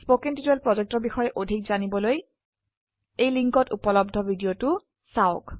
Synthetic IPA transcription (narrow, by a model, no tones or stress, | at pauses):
spokintitwɛlpɹɔzek̚tɔɹbixɔjɛʔodʱik̚zanibɔloj | ejliŋkɔtupɔlɔbdʱɔbʱidijotʊ | saoʊk